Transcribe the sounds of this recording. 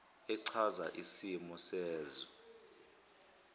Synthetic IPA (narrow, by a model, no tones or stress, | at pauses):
ɛǀʰazaʔisimɔsɛːzɔ